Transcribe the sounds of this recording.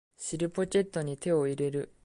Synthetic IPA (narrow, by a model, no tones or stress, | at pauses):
ɕiɾɯ̟po̞t͡ɕe̞t̪ːo̞ɲ̟it̪e̞o̞iɾe̞ɾɯ̟